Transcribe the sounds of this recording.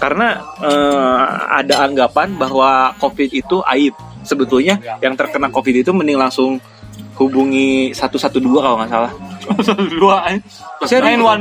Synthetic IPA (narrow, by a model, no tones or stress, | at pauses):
karənaə | a̰daːŋɡapanbaɦwakofɪt̪it̪uʔa̰ɪt̪̚səbət̪ulɲajaŋt̪ərkənakofɪt̪it̪umənɪŋlaŋsʊŋ | hubuŋisat̪usat̪uduakaloŋaʔsalahsat̪udua | saannwan